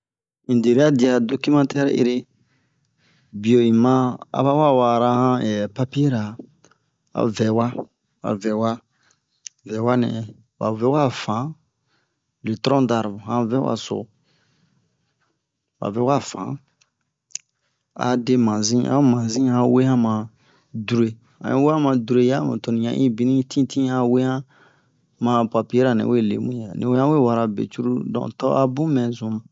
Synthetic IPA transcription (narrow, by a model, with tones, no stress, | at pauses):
ĩ˨de˨ɾe˦a˦di˨a˨do˦ki˦mã˦tɛ˦ɾḛ˦ɾe˦ | bi˨o˨ĩ˨mã˦a̰˨˦βa˦wa˦wa˨ɾa˧hã˦ɛ˨pa˦pi˦e˦ɾa˨ | a̰˨vɛ˨wa˦ | a̰˨vɛ˨wa˦ | vɛ˨wa˦nɛ̰̃˨ | wa̰˨vɛ˦wa˦˨fã˨˦ | le˨tɾɔ̃˦da˨ɾbo˨hã˦vɛ˦wa̰˨so̰˨ | ba̰˨vɛ˨˦u˦ka˦˨fã̰˨˦ | a̰˨de˦mã˨zĩ˦ʔã̰˦o˦mã˨zĩ˦hã˧we˦hã˦mã˨ | du˨ɾe˨ | ã̰˨˦ĩ˦we˦ã˦mã˨du˨ɾe˦ja˦mṵ̃˨to˨nĩ˨ɲã̰˨˦ʔĩ˦bi˦nĩ˦tʰĩ˦tʰĩ˦ã˧we˦hã˦ | mã˧pa˨pi˦e˦ɾa˨nɛ̰̃˨we˦˨lḛ˨mũ˦a˨nĩ˨we˦ã˦we˦˨wa˨ɾa˨bḛ˨t͡ʃu˦ɾu˦dɔ̰̃˨tɔ˦a˦bũ˦mɛ̃˨zũ˨˦mã˨